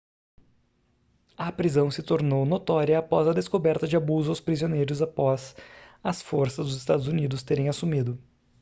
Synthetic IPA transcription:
ɐpɾizɐ̃w̃sɪt̪oɾnownot̪ɔɾiɐːpɔzɐd̪eskobɛɾt̪ɐd͡ʒɪabuzʊawspɾizionejɾʊzapɔz̥ɐsfoɾsɐzd̪ʊzɪst̪ad̪ʊzunid̪ʊst̪eɾẽj̃asumid̪ʊ

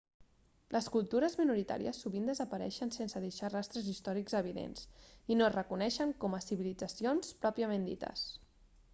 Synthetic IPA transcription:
lʔəskulˠt̪uɾəzminuɾit̪a̰ɾiəsːuβind̪əzəpəɾɛ̰ʃənsensəðeʃarast̪ɾəzist̪ɔɾikzəβ̞iðḛnsinorəkunɛʃəŋkɔməsiβilid͡zəsionspɾɔpiəmẽnd̪ḭt̪ə̰s

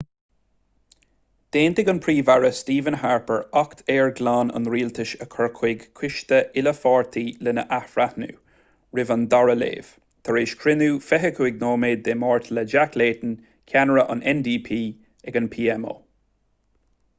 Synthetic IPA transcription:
d̪̥eːnt̪ɪɡənpʰɹiːvaɹəstiːvənɦaɹpəɹɔkt̪ʰeːɹɡlɑːnə̰nɾiːlt̪ʰɪʃəkʰɔɹkʰwɪɡkʰwɪʃt̪əʔɪləfɑːɹt̪ʰiːlənə̰ʔahfɹat̪nṵː | ɹɪvənd̪aɹəlḛːv̥ | t̪ʰəɹeːʃkʰɹɪnuːfɛɦəkʰuɪɡnoːmeːd̪̚ːemɔːɹt̪ʰləd͡ʒakleːt̪ən | kʲʰanəɹəʔʊ̰nɛnd̪iːpʰiː | ɛɡənpʰiːɛmo̰ː

